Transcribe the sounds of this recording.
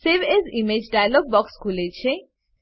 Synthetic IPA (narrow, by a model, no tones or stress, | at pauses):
seʋezimed͡ʒɖajlɔɡ̚bɔkskʰulet͡ʃʰe